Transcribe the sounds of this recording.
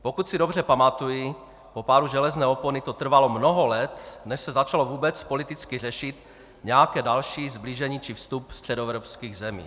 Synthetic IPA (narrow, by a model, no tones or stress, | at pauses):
pokut̪sɪdo̞br̝ɛpamat̪ujɪ | po̞paːɾuʒɛlɛznɛːoponɪt̪ot̪r̩valo̞mnoɦolɛt̪nɛʃsɛzat͡ʃalovuːbɛt͡spo̞lɪt̪ɪt͡skɪr̝ɛʃɪt̪ | ɲɛjakɛːdalʃiːzbliʒɛɲiːt͡ʃɪfst̪upst̪r̝̥ɛdoɛvɾopskiːɣzɛmḭː